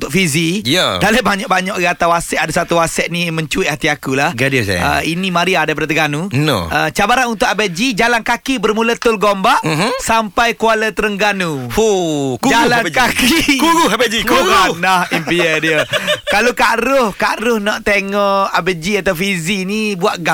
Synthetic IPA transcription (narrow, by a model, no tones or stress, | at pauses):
t̪ʊk̚fizijədaləʔbaɲaʔ̚baɲɔʔɡat̪awasɛʔadasat̪uwasɛʔ̪̚nĩmə̃ɲt͡ʃuɪʔhat̪iakulahɡadəsa̰ə̰inĩmãɾiadajpadat̪əɡanuno̰ət͡ʃabaɾanunt̪ʊkabəd͡ʒid͡ʒalankakibərmũlət̪ʊlɡombaʔɦsampajkualət̪əɾəŋɡanuhokud͡ʒalankakikuɡuabəd͡ʒiuanahimpiədiəkalokaɾʊhkaʔɾʊhnɔʔt̪eŋɔʔabəd͡ʒiat̪awfizinibuaʔɡa